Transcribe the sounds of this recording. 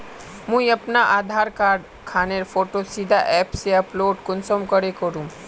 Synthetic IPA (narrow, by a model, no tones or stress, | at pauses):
mũiɐpnaʔaːd̪ʱaːɾkaːɾɖ | kʰaːneɾfoːʈosid̪ʱaʔɛːpseɐploːɖkʊnsomkəɾekəɾũː